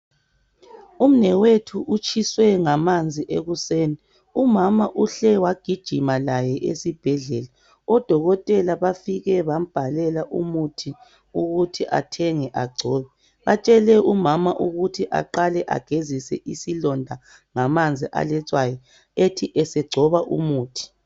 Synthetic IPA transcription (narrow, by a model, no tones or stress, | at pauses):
um̩nɛwetʰuʔut͡ʃʰʼiswɛŋamand͡zʱiʔeɣuseːni | umamaʔuɬɛwaɡ̥ʱid̥ʒ̥ʱimalajɛʔḛsib̥ʱɛɮɛla | ɔd̥ʱɔɣɔtʼɛlaβafiɣɛβam̩b̥ʱalɛlaʔṵmutʰi | uɣutʰiʔa̰tʰɛŋɛʔaɡ͡ǀʱɔːβɛ | βat͡ʃʼɛlɛumamaʔuɣutʰiʔa̰ǃalɛʔa̰ɡ̥ʱezisɛʔisilɔndʱa | ŋamand͡zʱiʔa̰lɛt͡sʼwajɔ | etʰiʔɛsɛɡ͡ǀʱɔβaʔṵmuːtʰi̥